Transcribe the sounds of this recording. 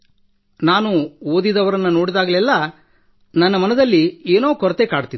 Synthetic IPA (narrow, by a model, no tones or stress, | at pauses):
naːnuoːd̪id̪ɐʋɐɾɐnːuno̞ːɽid̪aːɡɐlɛlːɐ | nɐnːɐmɐnɐd̪ɐlːieːno̞ːkɔɾɐt̪ekaːɽut̪i